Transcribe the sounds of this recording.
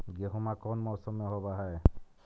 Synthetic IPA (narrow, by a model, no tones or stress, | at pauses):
ɡeɦumakɔnmɔsɔmɛɦɔbaɦaj